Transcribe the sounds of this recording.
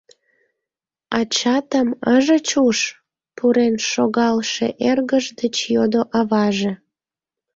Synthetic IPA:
ɑt͡ɕɑt̪əməʒət͡ɕuʃ | puɾenʃoɣɑlʃḛʔerɣəʒd̪ət͡ɕjod̪oʔɑβɑʒe

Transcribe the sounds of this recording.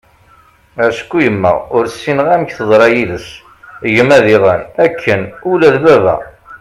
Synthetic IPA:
æsə̥kːujəmːə̰ʁʊɾsːinəʁæməçθəðˤɾˤɑjiləs | ʝəmæðiʁənækʰːənulæðbævæ̰

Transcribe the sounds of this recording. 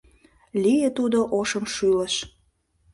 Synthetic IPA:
lijet̪ud̪oʔoʃəmʃyləʃ

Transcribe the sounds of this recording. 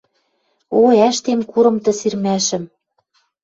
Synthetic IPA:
oæʃt̪emkuɾɤ̆mt̪ɤ̆sirmæʃɘ̆m

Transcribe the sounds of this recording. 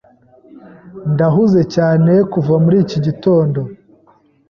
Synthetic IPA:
ndaɦuze̞caːne̞kuvamuɾiːciɟito̞ːndo̞

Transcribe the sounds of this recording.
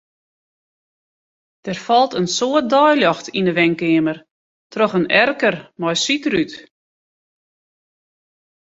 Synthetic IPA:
d̥ɛrfɔlˠtənsoət̚dɔjljɔxtʰindəʋɛŋkɪəmər | trɔxənɛrkərmɔjsitryt

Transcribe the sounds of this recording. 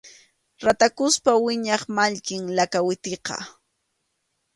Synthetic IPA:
ɾat̪akʊspawɪɲɑχmaʎkɪŋlakawɪt̪eqɑ̰

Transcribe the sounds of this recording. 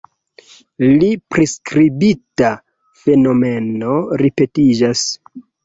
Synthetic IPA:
lipɾeskɾibita | fe̞no̞me̞no̞ɾipe̞tid͡ʒas

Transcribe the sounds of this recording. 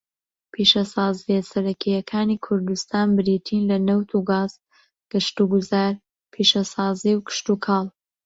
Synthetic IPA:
pʰiʃɐsɑːzvɛsɐɾɐkʰijɐkʰaːniːkʰʊɾd̪ust̪aːnbɪɾiːt̪ʰiːnlɐnɐwt̪ʰuɡaːz̥ | ɡ̥ɨʃt̪uɡuzaːɾ | pʰiʃɐsɑːziwkʰɨ̥ʃt̪ukʰɑːlˠ

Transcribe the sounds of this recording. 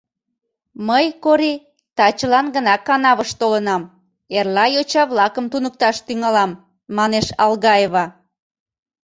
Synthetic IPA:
məjkoɾi | t̪ɑt͡ɕəlɑnɡənɑkɑnɑβəʃt̪olənɑm | erlɑjot͡ɕɑβlɑkəmt̪unək̚t̪ɑʃt̪yŋɑlɑmː | ɑneʃɑlɣɑeβɑ

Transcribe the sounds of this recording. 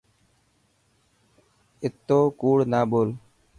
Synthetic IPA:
ɪt̪ːoːkuːɽnaːboːl

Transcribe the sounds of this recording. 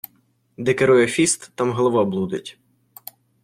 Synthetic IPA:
d̪ɛkeɾɔjɛfʲist̪ːɑmɦɔlˠɐʋɑblˠud̪ɪtʲ

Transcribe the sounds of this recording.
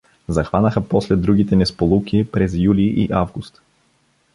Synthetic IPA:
zɐxvanəxəpɔslɛd̪ɾuɡit̪ɛnɛspolˠukiːpɾɛzjuliʔḭʔavɡust̪

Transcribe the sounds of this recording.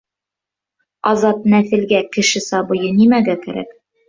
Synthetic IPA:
ɑzɑt̪̚næθɘ̆lɡækɘ̆ʃɘsɑβɤ̆jɤnimæɡækæɾæ̰k

